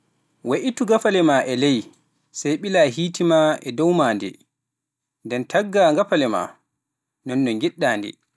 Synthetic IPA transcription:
waʔituɡafalɛmaʔɛlɛj | sajɓilaːɦiːtimaɛdɔwmaːndɛ̰ | ndɛntʰaɡːaŋɡafalɛma̰ | nɔnːɔŋɡiɗːaːndɛ̰

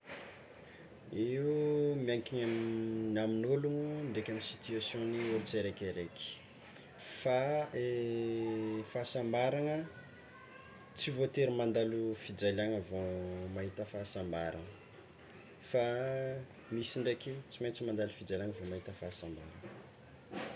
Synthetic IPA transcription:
iumiaŋkiɲamnaminuluŋuɳɖ͡ʐekʲaminsit̪yasjõniuɾit͡seɾekʲeɾeki̥ | fae | fasambaɾaŋə | t͡sivot̪eɾimand̪alufid͡zalaŋəvomaɦit̪əfaːsambaɾa̰nə | fa | misiɳɖ͡ʐekit͡simajnt͡simand̪alufid͡zalʲaŋəvomaɦit̪əfaːsamba̰ɾanə̥

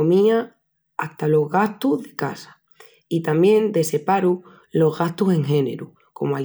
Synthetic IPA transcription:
omĩa | aht̪alo̞ɦɣaht̪uðe̞kasḁ | it̪amjẽ̞nd̪e̞se̞paɾu | lo̞zɣast̪use̞ŋxe̞ne̞̰ɾu | ko̞̰moa

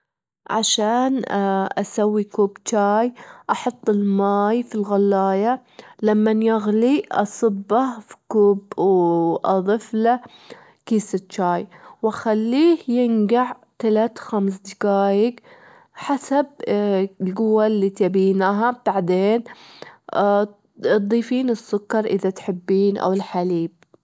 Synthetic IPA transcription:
ʕa̰ʃaːnʔasawːikuːbt͡ʃaːjʔɑħɑt̪ˤːɪlmaːjfilɣalːaːja | lamːanjaɣliʔɑ̰sˤɨbːafi̥kuːbwʔɑðˤɨfla | kiːsɪt̪t͡ʃaːjwaxalːiːhjɪnɡaʕ | t̪alat̪xams̬d̪ɪkaːjɪɡ | ħasab̚ | lɡʊwːalːiːt̪abiːnaɦab̥aʕd̪eːn | d̪ˤiːfiːnɪsːʊkːɑɾˤʔɪðat̪ħɪbːiːnʔa̰wɪlħaliːb̚

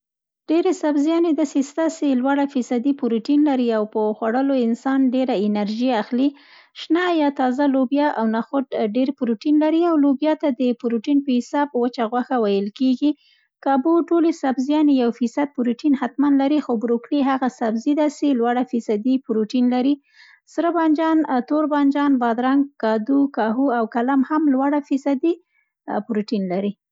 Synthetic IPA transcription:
ɖ̥eɾesabzjɑned̪ɑsest̪aselwaɽafisad̪ipʊɾuʈinlaɾiawpəxwaɽəloɪnsɑnɖeɾaɪnaɾʒiaxli | ʃnajɑt̪ɑzalobjɑʔawnaxʊʈɖeɾpʊɾuʈinlaɾiawlobjɑt̪ad̪əpʊɾuʈinpəhɪsɑb̚wət͡ʃaɣwaxawajəlkeɡi | kɑbuʈolesabzjɑnejawfisad̪̚pʊɾuʈinhat̪manlaɾixobɾokliɦaɣasabzid̪aselwaɽafisad̪ipʊɾuʈinlaɾi | sɾəbɑnd͡ʒɑnt̪oɾbɑnd͡ʒɑnbɑd̪ɾaŋɡkɑd̪ukɑɦuawkalamhamlwaɽafisad̪i | pʊɾuʈinlaɾi

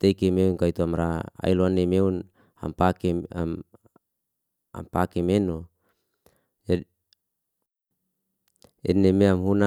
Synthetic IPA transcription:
t̪ekemeunkait̪uamɾaa̰iloanːemeun | ha̰mpake | a̰mpakemeno | d͡ʒa | ɛ̰nːemeamɦuna

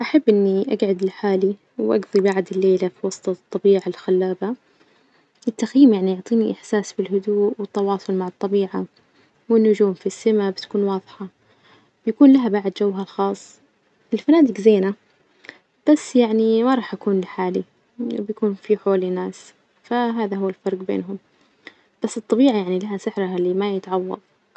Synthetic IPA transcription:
ʔaħabːʔɪnːiʔaɡʕad̪lɪħaːli | wʔa̰ɡðˤibaʕd̪ɪlːeːlafiwɑsˤt̪ˤɑt̪ˤːɑbiːʕalxalːaːba | ʔɪt̪ːaxjiːmjaʕnijʊʕt̪ˤiːniʔɪħsaːsbɪlɦʊd̪uːʔwɪt̪ːɑwɑːsˤʊlmaʕɑt̪ˤːɑbiːʕa | wɪnːʊd͡ʒuːmfisːamabɪt̪ḁkuːnwɑːðˤħɑ | bjakuːnlaɦabaʕd̪d͡ʒawːɦalxɑːsˤː | ʔɪlfanaːd̪ɪkzeːna | b̥asːjaʕnimaɾˤɑːħʔakuːnlɪħaːli | bjakuːnfiħoːlinaːs | faɦaːðaɦʊwːalfɑɾˤɡbḛːnɦʊm | b̥asːɨt̪ˤːɑbiːʕajaʕnilahasɪħɾaɦalimajɪt̪ʕɑwːɑ̰ðˤ

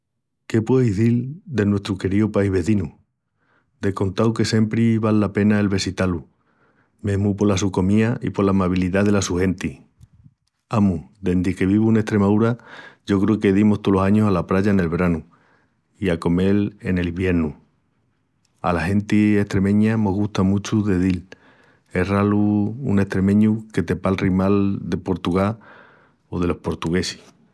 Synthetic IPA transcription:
ke̞pwe̞izðild̪e̞nwest̪ɾuke̞ɾiupajɦβe̞ðinu | d̪e̞ko̞nt̪awke̞se̞mpɾiβalːape̞nae̞lβe̞sit̪alu | me̞ɦmupo̞lasuko̞miaḭpo̞lamaβ̞iliðað̞e̞lasuhe̞nt̪i | amud̪e̞nd̪ike̞β̞iβ̞uune̞ht̪ɾe̞maðuɾaʝo̞kɾeke̞ðimoht̪olo̞saɲosalapɾaʝaene̞lβe̞ɾanu | iako̞me̞le̞ne̞limbje̞ɾnu | a̰lahe̞nt̪ie̞ht̪ɾe̞mẽ̞ɲano̞ɦɣuht̪amut͡ʃuðe̞ðil | e̞ɦralṵːne̞ht̪ɾe̞mẽ̞ɲuke̞t̪e̞palrimald̪e̞po̞ɾt̪uɣa | o̞ðe̞lo̞hpo̞ɾt̪uɣe̞si̥

